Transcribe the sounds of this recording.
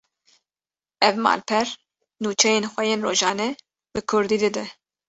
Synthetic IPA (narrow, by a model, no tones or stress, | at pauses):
ɛvmɑ̰ːlpʰɛɾ | nuːt͡ʃʰɛjeːnxʷɛjeːnroːʒɑːnɛ | b̥ɨkʰʊɾd̪iːd̪ɨd̪ɛ